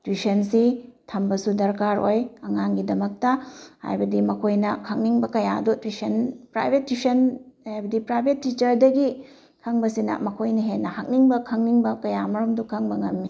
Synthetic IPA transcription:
twisɐnsitʰɐmbɐsudɐɾkaɾojɐŋaŋɡidɐmɐk̚tɐha̰jbɐdimɐkʰojnɐkʰɐŋ̚niŋbɐkɐjadutwisɐnpɾa̰jbʱetːisɐnhajbɐdipɾajbʱetːit͡ʃɐɾdɐɡi | kʰɐŋbɐsinɐ̰mɐkʰojnɐɦenːɐhak̚niŋbɐkʰɐŋniŋbɐkɐjamɐɾumdukʰɐŋbɐŋɐmːi

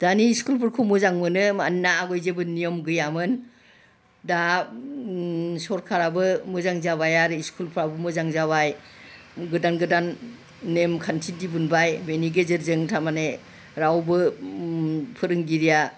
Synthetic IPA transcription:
d̥aniːskulpʰɯɾkʰumɯzaŋmɯnɯmanːaːɡɔjzebɯnijɔmɡɯjamɯn | da | sɔɾkʰaɾabɯmɯzaŋzabajaɾɯiskʰulpʰɯɾabɯmɯzaŋzaβaj | ɡɯdanɡɯdanː | emkʰantʰidibunbajbeniɡezɯɾzɯŋtʰamane | ɾawbɯ | pʰɯɾɯŋɡiɾija

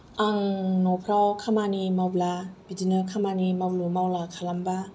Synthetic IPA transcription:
ʔaŋnopʰɾawkʰamanimawblab̥idinəkʰamanimawlumawlakʰalamba

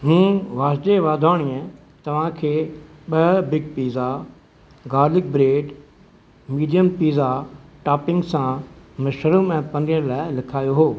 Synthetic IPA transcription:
ɦũːʋaːsd͡ʒeʋaːd̪ʱaːɽ̃iə̃ | t̪ɐʋ̤ãkʰeːɓɐɦbɪɡ̚piːza | ɡaːlɪk̚bɾeːɖ | miːɖijəmpiːzaʈaːpɪ̃ŋɡsãmɐʃəɾumɛ̃ːpɐ̃nɪjəɾlaːɪlɪkʰaːjoɦoː

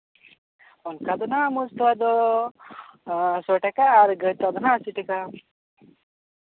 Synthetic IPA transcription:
ɔnkad̪ɔnamuzt̪uwad̪ɔ | soʈakaːɾɡət̪ad̪ɔnasiʈika

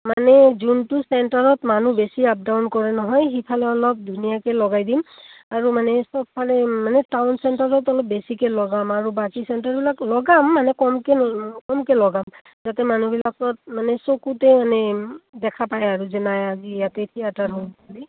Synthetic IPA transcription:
manɛzuntusɛɳtaɹɔtmanubesiap̚dawnkɔɹɛnɔɦɔjxipʰalɛɔlɔp̚dʱunijakɛlɔɡajdimaɹumanɛsɔb̚pʰalɛmanɛtawnsɛntaɹɔtɔlɔp̚besikɛlɔɡamaɹubakisɛntaɹbilaklɔɡamːanɛkɔmkɛkɔmkɛlɔɡam | zatɛmanubilakɔt̚manɛsokutɛmanɛdɛkʰapajaɹuzɛnajazijatet̪ʰijataɹɦɔlpali

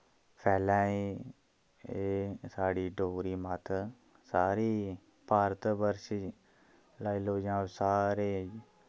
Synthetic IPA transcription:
pʰɛːlãːĩ | esaːɽiːɖoːɾiːmət̪ʰ | saːɾiː | paːɾt̪bəɾʃi | laːiloːd͡ʒãːsaːɾeː

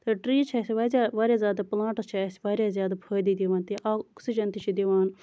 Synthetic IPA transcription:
t̪ɐʈɾiːt͡ʃʰɐsiʋaːzʲaːʋaːɾʲjaːzʲjaːd̪aplãːʈɐt͡ʃʰisʲʋaːɾʲjaːzjaːd̪apʰəːd̪iːd̪iʋaːnt̪iʔaːksid͡ʒɐnt̪it͡ʃʰid̪iʋaːn

